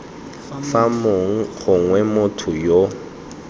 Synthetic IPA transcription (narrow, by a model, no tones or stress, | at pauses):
famoŋ̩χʊŋwɛmʊtʰʊjo